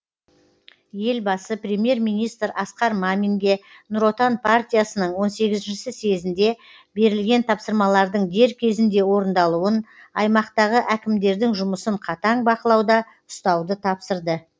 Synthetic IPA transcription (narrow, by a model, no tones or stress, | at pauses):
je̞lbɑsəpɾʲemje̞ɾmijnijst̪ɾɑsqɑɾmamiŋɡʲe̞ | nʊɾo̞t̪anpʰart̪ijasənəɴwo̞nse̞ɡʲɪzɪnʃɪsɪse̞zɪnd̪e̞ | be̞ɾɪlɡʲe̞nt̪ʰɑpsəɾmɑlˠɑɾd̪əɴd̪e̞ɾkʲʰe̞zɪnd̪e̞wo̞ɾənd̪ɑlˠuən | ɑjmɑqt̪ɑʁəʔækʲɪmd̪e̞ɾd̪ɪŋʒʊməsəɴqʰɑt̪ɑɴbɑqəlˠɑwd̪ɑ | ʊst̪ɑwd̪ət̪ʰɑpsəɾd̪ə